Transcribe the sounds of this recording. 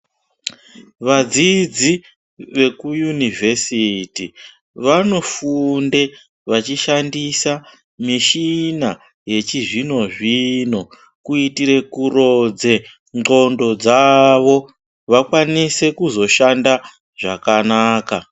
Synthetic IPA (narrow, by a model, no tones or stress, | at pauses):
ʋad͡zid͡zi | ʋe̞kujunivʱesiti | ʋano̞funde̞ | ʋat͡ʃiʃandisa | miʃina | je̞t͡ʃiʐino̞ʐino̞ | kuitiɾe̞kuro̞d͡ze̞ | ŋɡo̞ndo̞d͡zaʋo̞ | ʋakwanise̞kuzo̞ʃanda | ʐ̥akanaːka